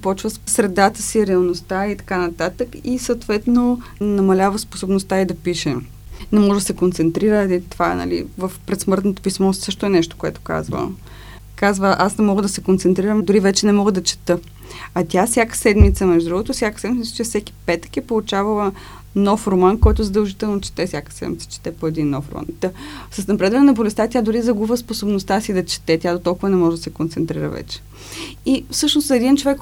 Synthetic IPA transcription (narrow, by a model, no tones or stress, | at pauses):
pɔt͡ʃvəssɾɛd̪at̪əsiɾɛɐlˠnost̪ait̪ɐ̥kanɐt̪at̪əkisət̪vɛt̪nonɐmɐlʲavəspo̥sobnost̪aid̪ɐpiʃɛ | nɛmɔʒɛd̪ɐsɛkont̪sɛnt̪ɾiɾəit̪ovaɛ̰nɐ̰lḭvəfpɾɛt̪smɤɾt̪not̪o̥pismɔsɤʃt̪oɛnɛʃt̪o̥koɛt̪o̥ka̰zvə̰ | kazvəʔasnɛmɔɡəd̪ɐsɛkont̪sɛnt̪ɾiɾəmd̪ʊɾivɛt͡ʃɛnɛmɔɡəd̪ɐt͡ʃɛ̥t̪ɤ | ɐt̪ʲjafsʲjakə̥sɛd̪mit̪səmɛʒd̪od̪ɾuɡot̪osʲjakə̥sɛd̪miə̥t͡ʃɛfsɛki̥pɛt̪ə̥kɛpolˠut͡ʃavɐlˠə | nɔfɾomankɔjt̪ʊzɐd̪ɐlˠʒit̪ɛlˠnot͡ʃɛ̥t̪ɛfsʲjakə̥sɛ̰d̪mit̪sə̥t͡ʃɛ̥t̪ɛpoɛd̪inːɔ̰fɾo̰ma̰nt̪əsəsnɐpɾɛd̪vɐnɛnɐbolɛst̪at̪ʲad̪ʊɾizɐɡuvəsposobnost̪asid̪ɐt͡ʃɛ̥t̪ɛt̪ʲad̪ot̪ɔlˠkʊvənɛmɔʒɛd̪ɐsɛkont̪sɛnt̪ɾiɾə̰vɛ̰t͡ʃɛ̥ | ifsɤʃnosɛd̪int͡ʃovɛk